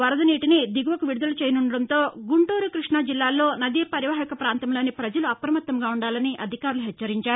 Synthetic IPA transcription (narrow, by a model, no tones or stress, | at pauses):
ʋɐɾɐd̪ɐniːʈinid̪iɡuʋɐkuʋiɽud̪ɐlut͡ʃejɐnuɳɖɐɽɐnt̪o̞ːɡuɳʈuːɾukɾiʂɳɐd͡ʒilːaːlːo̞ːnɐd̪iːpɐɾjʋaːɦikɐpɾaːnt̪ɐmlo̞ːnipɾɐd͡ʒɐluɐpɾɐmɐt̪ːɐmɡaːuɳɖaːlɐniʔɐd̪ʱikaːɾuluɦɛt͡ʃt͡ʃːɐɾiɲt͡ʃaːɾu